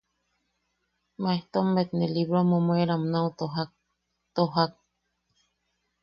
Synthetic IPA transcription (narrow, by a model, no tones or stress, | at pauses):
maeht̪omːet̪neliβɾomomweɾamnawt̪oɦak̚ | t̪oɦak̚